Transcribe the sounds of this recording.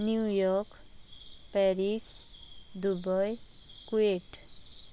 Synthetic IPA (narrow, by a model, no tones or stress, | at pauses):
njujɔk | pɛɾis | d̪ubʌj | kueʈ